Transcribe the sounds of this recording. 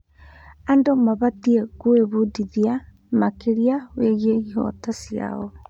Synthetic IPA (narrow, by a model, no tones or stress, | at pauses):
andomaβatiekoeβudiðia | makeɾiaweɣieiɦɔ̰tasia̰ɔ